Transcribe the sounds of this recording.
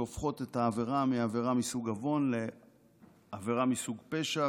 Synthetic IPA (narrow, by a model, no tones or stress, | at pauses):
ofχo̞t̪e̞taːveʁamiaveʁamisuɡavo̞nle̞ | aveʁamisuɡpe̞ʃa